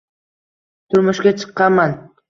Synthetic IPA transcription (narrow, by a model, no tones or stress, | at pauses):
t̪ʰʊɾmʊʃkʲat͡ʃʰɨ̥qːɑman